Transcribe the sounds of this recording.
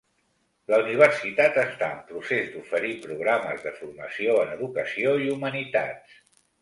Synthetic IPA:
ləuniβ̞ərsit̪at̪əst̪aəmpɾusezd̪ufəɾipɾuɣ̞ɾaməzðəfurməsioənəðukəsioiumənit̪a̰t̪

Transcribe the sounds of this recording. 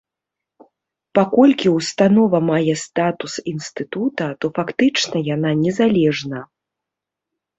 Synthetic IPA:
pakɔlʲkʲiwst̪anɔvɐmajɛst̪at̪usinst̪ɨt̪ut̪ɐt̪ɔfakt̪ɨt͡ʂnɐjan̪anʲɛzalʲɛʐnɐ

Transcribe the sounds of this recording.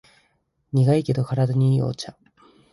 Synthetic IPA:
ɲiɡaike̞d̪o̞kaɾad̪aɲ̟iːo̰t͡ɕa

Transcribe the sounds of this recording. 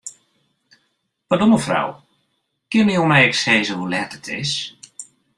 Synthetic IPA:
padɔməfra̰w | kɪnəjomɛjɛkseːzəhulɛtətʰɪ̰s

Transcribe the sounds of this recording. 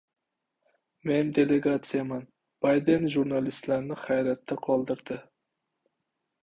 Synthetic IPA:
mend̪eleɡat̪sɨjamɑn | b̥ɑjd̪enʒuɾnɑlˠist̪læɾnɪχæjɾæt̪ʰːaqʰɒlˠd̪ɨɾd̪ɪ

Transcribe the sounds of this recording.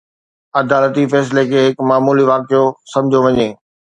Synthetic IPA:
ɐd̪aːlət̪ifɛːs̬lekʰeːɦɪkmaːmuːliʋaːkijosɐ̃md͡ʑʱoʋɐɲeː

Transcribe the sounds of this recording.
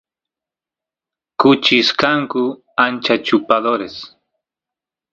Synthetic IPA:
kʊt͡ʃiskaŋkʊ | ant͡ʃat͡ʃʊpaðoɾes

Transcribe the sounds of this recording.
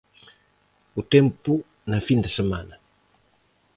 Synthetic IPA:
utɛmpu | nafindasama̰na

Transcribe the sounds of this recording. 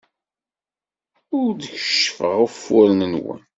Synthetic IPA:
ʊɾd̪əçə̥ʃːfəʁəfːʊɾnənwə̰n

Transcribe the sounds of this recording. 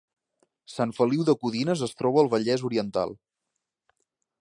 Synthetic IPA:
saɱfəliwðəkuðinəzəst̪ɾɔβəːlˠβəʎɛzuɾiənt̪a̰lˠ

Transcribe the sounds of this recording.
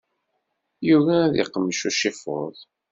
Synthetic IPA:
juvæðɪ̰qːəmːʃuʃifo̰ðˤ

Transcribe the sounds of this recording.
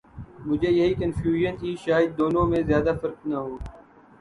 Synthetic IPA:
mʊd͡ʒʱejɐɦiːkənfjuːʒəntiːʃaːjəd̪̚ːoːnõːmẽzjaːd̪afɐɾknɐɦoː

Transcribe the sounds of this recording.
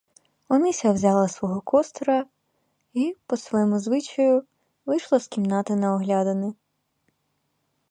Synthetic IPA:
ɔnɪsʲɐwzʲɑlˠɐsʋɔɦɔkʰɔst̪ɾɐ | ipɔsʋɔjɛmʊzʋɪt͡ʃɐjʊ | ʋɪjʃlˠɐskʲimnɑt̪ɪnɐɔɦlʲɑd̪ɐnɪ

